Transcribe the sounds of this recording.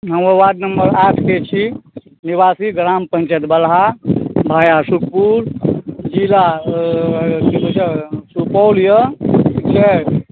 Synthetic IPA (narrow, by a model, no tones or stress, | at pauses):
ɦəməʋad̪nəmbəɾaʈʰket͡ʃʰi | nibasiɡɾampə̃nt͡ʃət̪bəlɦabʱaːjasuk̚ʰpuɾd͡ʒiɾa | kikod͡ʒasupɔljəkt͡ʃʰɛ